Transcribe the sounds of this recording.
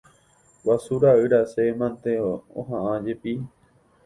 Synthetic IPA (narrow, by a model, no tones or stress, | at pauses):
wasuɾaɨɾasemãnt̪eõ̰ɦãʔãd͡ʒepi